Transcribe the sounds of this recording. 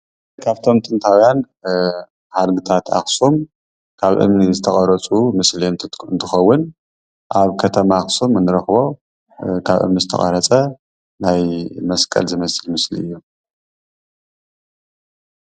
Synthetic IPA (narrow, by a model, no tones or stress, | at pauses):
kʰaβt̪ʰo̞mt̪ʼɨnt̪ʰawjan | ħad̪ɡɨt̪ʰat̪ʰa̰xsom | kʰaβʔɨ̰mnizɨt̪ʰɐχʼɐɾɐt͡sʼumɨslinɨnt̪ʰɨxɐwːʊn | ʔaβkʰɐt̪ʰɐmaxsomɨnɨɾɐxβo̞ | kʰaβʔɨ̰mnizɨt̪ʰɐ̰χʼɐ̰ɾɐt͡sʼɐ | najmɐskʼɐ̰lzɨmɐsɨlmɨslḭɨjːu